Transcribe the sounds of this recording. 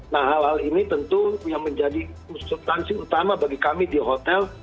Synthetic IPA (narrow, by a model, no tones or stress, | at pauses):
nahɦalhalinit̪ənt̪ujaŋməɲd͡ʒadi | usult̪ansiut̪amabaɡikamidiɦot̪ɛl